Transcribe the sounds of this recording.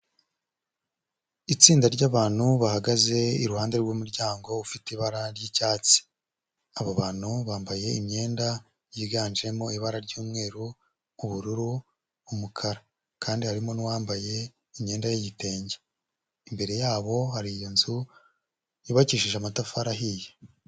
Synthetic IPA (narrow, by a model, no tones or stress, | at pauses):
it͡siːndaɾɟaːβaːn̥huβahaɡaze̞iɾuhaːnde̞ɾɡwumuɾɟaːŋɡo̞ufitiβaɾaɾjiːcaːt͡si̥ | aβoβaːn̥huβaːmbaje̞imɲe̞ːnda | jiɡaːnʒe̞mo̞iβaɾaɾɟuːmŋe̞ːɾuː | βuɾuɾuː | mukʰaɾa | kaːndihaɾimo̞nuwaːmbaje̞ | imɲe̞ːndajijite̞ːɲɟe | imbe̞ɾe̞jaːβo̞haɾijonzu | iβaciːʃiʒamatafaɾaɦije